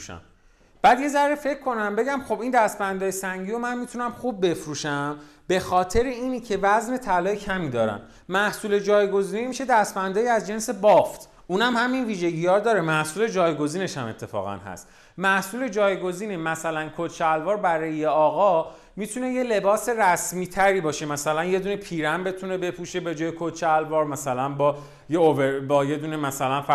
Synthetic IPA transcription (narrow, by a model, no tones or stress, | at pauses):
ʃæ̰m | b̥æːd̪je̞zæɾɾife̞cʰkʰːo̞næmbe̞ɟæmχo̞bind̪æst̪bænd̪ɒːjesæŋɟiːjo̞mænmit̪ʰunæmχub̚ːe̞fɾuːʃæmbe̞xɒːt̪ʰe̞ɾeiːnicʰe̞væzne̞t̪ʰælɒːjecʰæmiːd̪ɒːɾæ̰n | mæhsuːle̞d͡ʒɒːjɡo̞ziːnemiʃe̞d̪æst̪bænd̪ɒːjiæzd͡ʒe̞nse̞bɒft̪ʰ | unæmhæminviːʒe̞ɟijɒːɾd̪ɒːɾemæhsuːled͡ʒɒːjɡo̞ziːne̞ʃæme̞t̪ʰːe̞fɒ̰ːɣæ̰nɦæ̰st̪ | mæhsuːle̞d͡ʒɒːjɡo̞ziːnemæsælænkʰot͡ʃʰeælvɒːɾbæɾɒːjejeɒːɣɒ | mit̪ʰune̞jele̞bɒːse̞ræsmiːt̪ʰæɾiːbɒːʃe̞mæsælænje̞d̪uːne̞pʰiːɾæmbe̞t̪ʰune̞be̞pʰuːʃe̞be̞d͡ʒɒːjekʰot͡ʃʰeælvɒːɾmæsælænbɒ | jeovebɒːje̞d̪unemæsælænfæ